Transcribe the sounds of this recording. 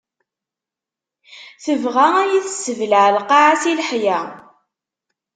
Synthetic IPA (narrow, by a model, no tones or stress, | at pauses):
θəvʁææjiθəsːəvlaʕlqɑʕasilħjæ